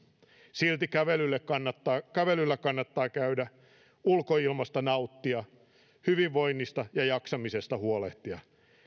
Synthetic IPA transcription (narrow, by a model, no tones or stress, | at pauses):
silt̪ikæʋelylːekkɑnːɑt̪ːɑːkæʋelylːækɑnːɑt̪ːɑːkæydæ | ulkoilmɑst̪ɑnɑut̪ːiɑ | hyʋiʋːo̞inːist̪ɑjɑjɑksɑmisest̪ɑhuoleht̪iɑ